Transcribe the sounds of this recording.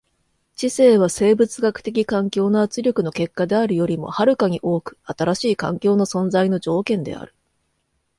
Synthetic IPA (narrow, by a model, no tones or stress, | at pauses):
t͡ɕise̞ːβ̞ase̞ːbɯ̟t͡sɨɡakɯ̟̥t̪e̞kʲikãŋkʲo̞ːnoat͡sɨɾʲo̞kɯ̟no̞ke̞kːad̪e̞aɾɯ̟jo̞ɾʲimo̞̰haɾɯ̟kaɲ̟iʔo̞ːkɯ̟̥at̪aɾaɕiːkã̰ŋkʲo̞ːno̞sõ̞nd͡zaino̞d͡ʑo̞ːkẽ̞nd̪e̞̰a̰ɾɯ̟̥